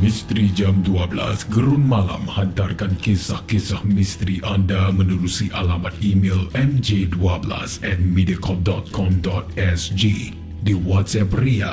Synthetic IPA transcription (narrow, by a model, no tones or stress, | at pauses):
mĩst̪ɾid͡ʒamduabəla̰sɡəɾunmala̰mhant̪arkankisahkisahmĩst̪ɾiʔandamənuɾusiʔalamat̪̚imelɛmd͡ʒeduabəla̰sɛt̪̚mediakʰɔp̚dɔt̪̚kʰɔmdɔt̪̚ɛsd͡ʒi | diwɔt̪̚sɛp̚ria̰